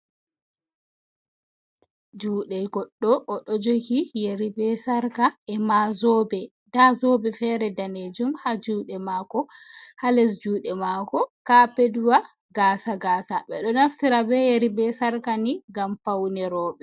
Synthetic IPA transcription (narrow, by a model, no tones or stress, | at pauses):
d͡ʒuːɗɛlɡɔɗːɔʔːɗɔd͡ʒokijeɾibɛsaɾkaɛmazɔbɛ | dazɔbɛfɛːɾɛdaned͡ʒumhad͡ʒuːɗɛmakɔhalɛs̬d͡ʒuːɗɛmakɔkapeduwa | ɡaːsaɡaːsaɓɛ̰ɗɔnaftiɾabɛjeɾibɛsaɾkaniɡampawnɛɾɔːɓɛ